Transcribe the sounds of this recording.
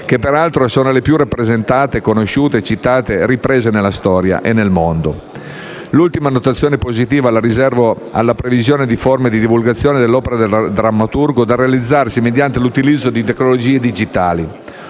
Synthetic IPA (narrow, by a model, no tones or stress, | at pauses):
kepːeɾalt̪ɾoɛsoːnolepjurapːɾezent̪aːt̪ekonoʃuːt̪et͡ʃit̪aːt̪eɾipɾeːzenelːast̪ɔːɾja̰ʔenːelmond̪o | lult̪imanot̪at̪sːjoːnepozit̪iːvalaɾizɛrvo | a̰lːapɾevizjoːned̪iformed̪id̪ivulɡat̪sːjoːned̪elːɔːpeɾad̪eld̪ɾamːat̪urɡod̪arealid̪zːarsimed̪jant̪elut̪ilid̪zːod̪it̪eknolod͡ʒiːed̪id͡ʒit̪aːli